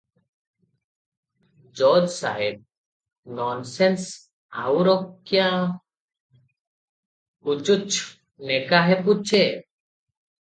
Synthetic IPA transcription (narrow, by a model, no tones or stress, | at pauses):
d͡ʒɔd͡ʒsa̰ɦeb̚ | nɔnsens | a̰wɾɔkjã | ut͡ʃut͡ʃʰ | nɛkaɦɛput͡ʃʰe